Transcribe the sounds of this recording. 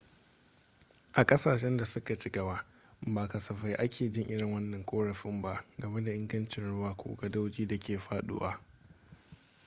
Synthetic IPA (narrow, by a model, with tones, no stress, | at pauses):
ʔa˨kʼɐ˦saː˨ʃɛ˦nda˨sʊ˦ka˨t͡ʃɪ˦ɡɐ˨waː˦ | baː˨kɐ˨sɐ˨ɸa˦jʔa˦kʰʲeː˨d͡ʒɪ˦ŋʔɪ˦ɽɪ˨ŋwɐ˦nːɐ˨ŋkʷʼoː˦ɽɐ˨ɸɪ˦mba˦ʔɡɐ˨me˦da˨ʔɪ˦ŋɡɐ˦nt͡ʃɪ˨nɽʊ˦waː˨kʷo̰ː˦ɡɐ˨da˦wd͡ʒiː˦da˨kʲeː˨ɸaː˦ɗʊ̰ː˦wa̰ː˦